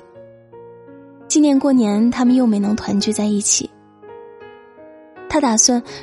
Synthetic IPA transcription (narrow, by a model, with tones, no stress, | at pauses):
t͡ɕi˥˧njɛ˥˧nkwɔ˥˩njɛ˧˥nt̪ʰa˥mə˨njo˥˩ʊme˧˥ɪnɤ˧˥ŋt̪ʰwa˧˥nt͡ɕy˥˧t͡sa˥˧ɪi˥˩t͡ɕʰḭ˨˩˦ | t̪ʰa˥t̪a˨˩swa˥˩n